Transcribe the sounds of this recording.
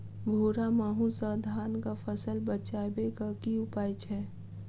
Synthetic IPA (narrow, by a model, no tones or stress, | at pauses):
bʱoːɾamaːɦũsad̪ʱaːnkapʰəsəlbət͡ʃaːbekakiʊpaːjt͡ʃʰɛː